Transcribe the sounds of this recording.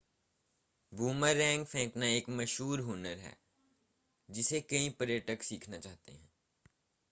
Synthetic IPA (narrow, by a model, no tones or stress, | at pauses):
buːməɾːɛ̃ːŋɡpʰɛ̃ːknaeːkmɐʃɦuːɾɦoːnəɾɦɛ̰ː | d͡ʒɪsekɐĩpəɾjəʈəksiːkʰnat͡ʃaːɦt̪ḛɦɛ̰̃ː